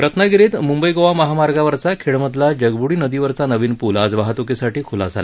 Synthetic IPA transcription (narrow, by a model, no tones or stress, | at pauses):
pɾət̪nəɡiɾiːt̪mumbəjɡoʋaməɦamaɾɡaʋəɾt͡sakʰeɭməd̪ʱlad͡ʑəɡbuɽiːnəd̪iʋəɾt͡sanəʋiːnpulad͡zʋaɦat̪ukisaʈiːkʰula̰d͡zʱa̰la